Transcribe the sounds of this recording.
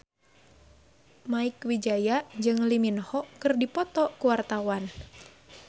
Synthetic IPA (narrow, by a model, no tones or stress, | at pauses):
maikwid͡ʒajad͡ʒɨŋliminhɔkɨrdipɔt̪ɔkuwart̪awan